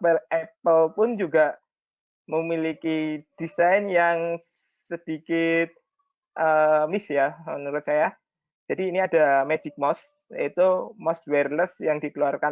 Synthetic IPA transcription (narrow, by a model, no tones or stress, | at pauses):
pəlɛpəlpʊnd͡ʒuɡaʔ | məmilikid̥isajnjaŋssəəd̥ikɪt̪̚ | ʔəmisjamənəɾʊt̪̚t͡ʃaja | d͡ʒ̥adiːniadamed͡ʒɪk̚mɔs | ja̰it̪umɔswɛrləsjaŋdikəluarkan